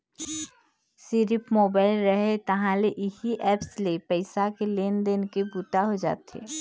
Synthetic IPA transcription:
siɾɪpmoːbaːɪlɾəɦet̪ɐɦãleʔɪhiʔɛːpslepəɪsakeleːnd̪eːnkebuːt̪aɦod͡ʒa̰ːt̪ḛː

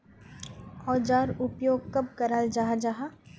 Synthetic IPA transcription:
ɔːd͡ʒaːɾʊpjoːɡ̚kɐb̚kɐɾaːld͡ʒaːɦad͡ʒaːɦa

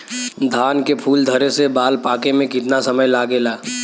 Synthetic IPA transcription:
d̪ʱaːnkepʰuːld̪ʱəɾesebaːlpaːkemẽkɪt̪nasəməjlaːɡelaː

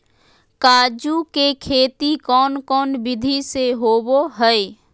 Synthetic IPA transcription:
kaːd͡ʒukekʰeːt̪ikɔːnkɔːnbɪd̪ʱiseɦoːboɦəe

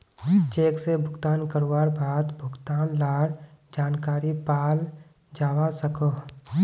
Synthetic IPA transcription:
t͡ʃeːksebʱʊɡt̪aːnkəɾwaːɾbʱaːt̪bʱʊɡt̪aːnlaːɾd͡ʒaːnkaːɾipaːl | d͡ʒaːwasəkoː

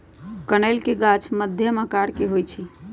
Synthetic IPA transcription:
kənəɪlkeɡat͡ʃʰməd̪ʱjəməkaɽkeɦojt͡ʃʰi

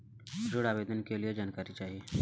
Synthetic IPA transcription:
d͡ʒʊɽaːʋeːd̪ənkelijed͡ʒaːnkaːɾit͡ʃaːɦieː

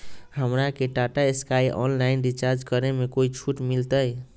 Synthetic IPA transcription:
həmɾakeʈaʈaeskajʔɔ̰nlainɖit͡ʃaɾd͡ʒkəɾemekoit͡ʃʰuʈmilt̪əj

